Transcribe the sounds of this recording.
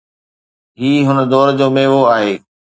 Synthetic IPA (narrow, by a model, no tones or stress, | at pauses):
ɦiːɦʊnəd̪ɔːɾd͡ʑoːmeːʋoaːɦeː